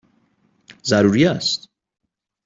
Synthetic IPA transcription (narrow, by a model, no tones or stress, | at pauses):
zæɾuːɾiæst̪